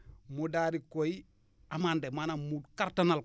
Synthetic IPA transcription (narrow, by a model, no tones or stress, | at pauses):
mudaɾikoi | amandemanamudkaɾtanal